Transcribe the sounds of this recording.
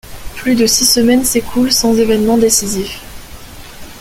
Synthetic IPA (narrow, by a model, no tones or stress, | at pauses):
plyd̪əsisəmɛnsekʰulsɑ̃zevɛnmɑ̃d̪esizif